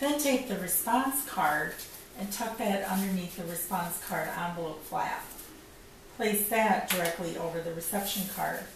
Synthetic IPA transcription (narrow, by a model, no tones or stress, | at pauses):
ðɨ̃ntʰeɪk̚ðɨɹɨspɑ̃nskʰɑɹɾ | ɨ̃ntʰʌk̚ðɨɾʌ̰̃ndə˞niθðɨɹɨspɑ̃nskʰɑɹɾɑ̃nvəlˠoʊt̚fʰlæ̰f | pʰl̥eɪsðæt̚d̥ə˞ɛk̚tˡliʔo̰ʊvə˞ðɨɹɨsɛpʃɨ̃nkʰɑ̰ɹd̥